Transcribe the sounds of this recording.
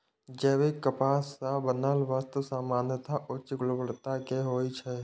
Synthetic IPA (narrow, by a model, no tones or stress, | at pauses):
d͡ʒɛːʋekəpaːsabənalʋast̪əsaːmaːnjət̪aʔʊtt͡ʃəɡlobəɽt̪akeɦoːit͡ʃʰɛ